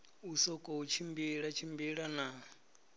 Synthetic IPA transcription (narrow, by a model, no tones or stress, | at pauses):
usɔkʼɔut͡ʃʰimbiɺat͡ʃʰimbiɺana